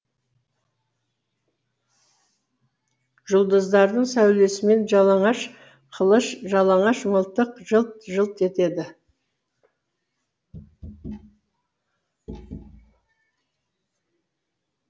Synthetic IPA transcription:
ʒʊlˠd̪əzd̪ɑɾd̪əɴsæwle̞sɪme̞nʒɑlˠɑɴɑʃ | qʰəlˠəʃʒɑlˠɑɴɑʃməlˠt̪əqʒəlˠt̪̚ʒəlˠt̪e̞t̪e̞d̪ɪ

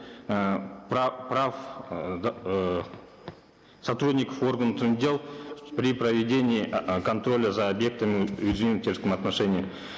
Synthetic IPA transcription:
papraf | sɐt̪rud̪ʲnʲikəfo̞rɡənət̪ɨdʲe̞lˠpɾʲiprəvʲɪdʲe̞nʲɪikʰont̪ɾo̞lʲəzaːbje̞k̚t̪əmʲɪɪzmʲent̪ʲʰeɾsk̪əmɐt̪naʂenʲɪjə

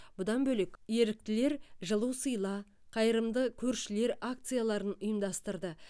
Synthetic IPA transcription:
b̥ʊd̪ɑnbɵlekʲje̞ɾɪk̚t̪ɪle̞ɾʒəlˠuwsəjlˠɑ | qʰɑjəɾəmd̪əkʲʰɵɾʃɪle̞ɾak̚t̪sɨjalˠɑɾənʊjəmd̪ɑst̪əɾd̪ə

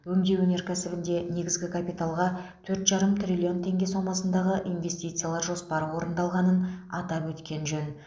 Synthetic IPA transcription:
wɵmd̪e̞wɵne̞ɾkʲʰæsɪbɪnd̪e̞ne̞ɡʲɪzɡʲɪkʰapijt̪alˠʁɑt̪ʰɵɾt̪ʒɑɾəmt̪rʲilʲio̞nt̪ʰe̞ŋɡʲe̞so̞mɑsənd̪ɑʁəʔinve̞st̪ijt̪sɨjalˠɑɾʒo̞spɑɾəwo̞ɾənd̪ɑlˠʁɑnənɑ̰t̪ɑpwɵt̪kʲe̞nʒɵn

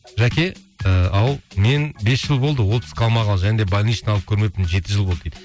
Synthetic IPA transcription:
ʒækʲe̞ | əɑlˠme̞nbe̞sʒəlˠbo̞lˠd̪əwo̞lˠpʰɪ̥skʲɑlˠmɑʁɑlˠʒæned̪e̞bɑlʲniʃnɑlˠəp̚kʲʰɵɾme̞t̪ɪnʒe̞t̪ɪʒəlˠboed̪ɪ

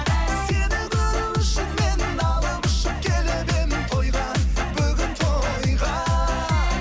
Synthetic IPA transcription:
sed̪ɪd̪ɪɪʃɪkmend̪ɑlˠəmʊʃɪp̚kʲʰelebenɪt̪ʰojʁɑnbʏɡʲɪnt̪ʰojʁɑ

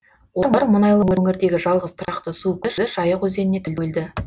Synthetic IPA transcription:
woɾbɑɾmʊnɑjlˠəwɪɵŋɪɾd̪e̞ɡʲɪʒɑlˠʁəz̥t̪ʰʊɾɑqt̪əsukʲɪʒɪʒɑjəqwɵze̞nɪne̞t̪ʰɪld̪eld̪ɪ

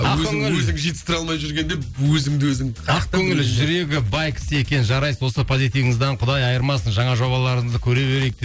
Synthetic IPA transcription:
ɑɵzɵŋɪlɵzɪŋʒijt̪ə̥st̪ɪɾɑlˠmɑjʒʏɾɡʲe̞nd̪ewɵzɪŋd̪ɪwɵzɪŋqʰɑq̚k̪ʰːɵŋɪlɪʒʏɾe̞ɡʲɪbɑjkʲʰɪ̥sɪe̞kʲe̞nɪʒɑɾɑjswo̞səpʰozijt̪ijəŋɪzd̪ɑɴqʰʊd̪ɑjɑjəɾmɑsənʒɑɴɑʒo̞bɑlˠɑɾəɴəzd̪əkʲʰɵɾe̞be̞ɾe̞jk̚t̪e

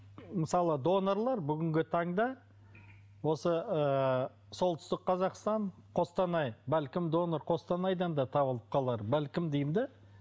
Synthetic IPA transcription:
məsɑlˠəd̪o̞noɾlˠɑɾbʏɡʲɪŋɡʲɪt̪ʰɑɴd̪ɑ | wo̞səə | so̞lˠt̪ʏ̥st̪ɪk̚qʰɑzɑqst̪ɑɴqʰo̞st̪ɑnɑjbælkʲɪmd̪o̞noɾqʰo̞st̪ɑnɑjd̪ɑnd̪ɑt̪ʰɑβəlˠəp̚qʰɑlˠɑɾbælkʲɪmd̪ejmd̪ɪ

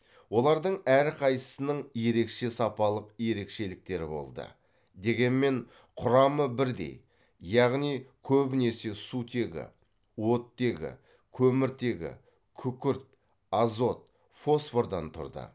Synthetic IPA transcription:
wo̞lˠɑɾd̪əɴæɾqʰɑj̪ə̥sənəɴje̞ɾe̞kʃe̞sɑpɑlˠəqje̞ɾe̞kʃe̞lɪk̚t̪e̞ɾɪ̰bo̞̰lˠd̪ə̰ | d̪e̞ɡʲe̞nme̞ɴ | qʰʊɾɑməbɪɾd̪e̞̰j | jɑʁnijkʲʰɵbɪne̞se̞sut̪ʰe̞ɡʲɪ̰ | wo̞t̪ːe̞ɡʲɪ̰ | kʲʰɵmɪɾt̪e̞ɡʲɪ̰ | kʲʰʏkʲʏɾt̪̚ | ɑzo̞t̪̚ | fo̞sfo̞ɾd̪ɑnt̪ʰʊ̰ɾd̪ə̰

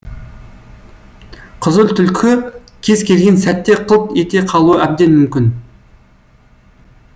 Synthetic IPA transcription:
qʰəzəlˠt̪ʰʏlkʲʰɪ | kʲʰe̞zkʲʰe̞lɡʲe̞nsæt̪ːe̞qʰəlˠt̪et̪e̞qʰɑlˠuəʔæb̚d̪e̞nmʏmkʲɪn

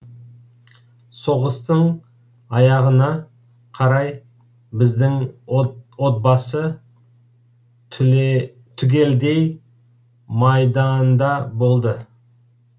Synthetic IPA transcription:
so̞ʁəst̪əɴ | ɑjɑʁənɑ | qʰɑɾɑj | bɪzd̪ɪŋ | wo̞t̪̚bɑsə | t̪ʰʏɡʲe̞ld̪e̞j | mɑjd̪ɑnd̪ɑbo̞lˠd̪ə

